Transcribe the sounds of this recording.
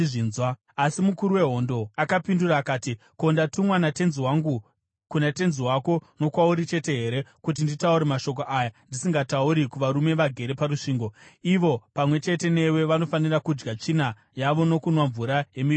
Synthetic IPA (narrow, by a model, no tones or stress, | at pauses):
ʐinzwa | asimukuɾuwe̞ɦo̞ndo̞akapinduraːkaːti | ko̞ndatumwanate̞nziwaŋɡu | kunate̞nziwako̞no̞kwauɾit͡ʃe̞te̞ɦe̞ɾe̞kut̬inditauɾemaʃo̞k̬oʔaːjandisiŋɡatauɾikuʋaɾume̞ʋaɡʱe̞ɾe̞paɾuʂiːŋɡo̞iʋo̞pamwe̞t͡ʃe̞te̞ne̞we̞ʋano̞fanirakud͡ʒɡat͡ʂina | jaʋo̞no̞kunwaɱvuɾaje̞mi